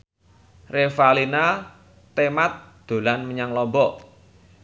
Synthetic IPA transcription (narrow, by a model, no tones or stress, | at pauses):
refalina | t̪emat̪̚d̪̥o̤lanməɲaŋlɔmbɔ